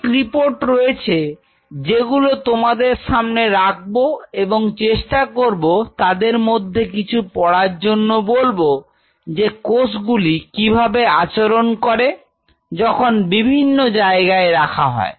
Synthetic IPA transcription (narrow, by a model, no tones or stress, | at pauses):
kɾipoɾʈɾojet͡ɕʰe | d͡ʑeɡulot̪omad̪eɾʃamneɾak̚ʰboeboŋt͡ɕeʃʈakoɾbot̪ad̪eɾmod̪ʱːekit͡ɕʰupɔɽaɾd͡ʑonːobolbo | d͡ʑekosɡulikibʱabeat͡ɕoɾonkɔɾe | d͡ʑɔkʰonbibʱinːod͡ʑaeɡaeɾakʰaɦɔ̰e